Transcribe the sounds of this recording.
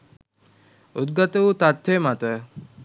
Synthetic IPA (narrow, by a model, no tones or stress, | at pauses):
ut̪̚ɡat̪əut̪at̪ʋemat̪ə